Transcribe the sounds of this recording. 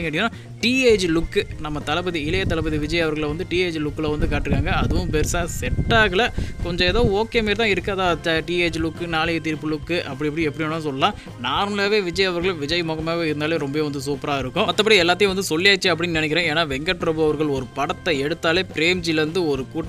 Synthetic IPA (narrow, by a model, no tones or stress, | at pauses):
ɪŋɡɐʈːɪŋːnːaː | ʈiːeːd͡ʒlʊkːɯnɐmːɐt̪ɐlɐpɐðiɪlɐjɐt̪ɐlɐpɐðiʋɪd͡ʒɐjɐʋɐɾɣɐɭʋɐnd̪ɯʈiːeːd͡ʒlʊkːɪlɐʋɐnd̪ɯkaːʈːɾɯkːaːŋɡɐɐðɯʋʊ̃pɛɾsaːsɛʈːaːɣɐɭlɐkɔɲd͡ʒɔ̃ɛðoːoːkːeːmeːɾt̪ãːɪɾɯkːaðaːt͡ʃːɐʈieːd͡ʒlʊkːɯnaːlɪjɐt̪iːɾpːɯlʊkːɯʔɐpːɐɽiɐpːɐɽiɛpːɐɽɪjonːãːs̬ɔlːɐlãː | naːɾmɐlaːʋeːʋɪd͡ʒɐjɐʋɐɾɣɐɭʋɪd͡ʒɐjmɔːɣɐmaːʋeːɪɾɯnd̪aːleːɾɔmbɐʋeːʋɐnd̪ɯs̬uːpɾaːɪɾɯkːʊ̃ɐt̪ːɐpːɐʈːɐɛlːaːt̪ɪjʊ̃ʋɐnd̪ɯsɔlːɪjaːt͡ʃːɯɐpːɐɽɪnːnɪnɛk̬ʲːɪɾẽːeːnaːʋɛŋɡɐʈːɾobɯɐʋɐɾɣɐɭɔɾɯpɐɽɐt̪ːɐɛɽɯt̪ːaːleːpɪɾeːmd͡ʒilɐɾɯnd̪ɯɔɾɯkuːʈː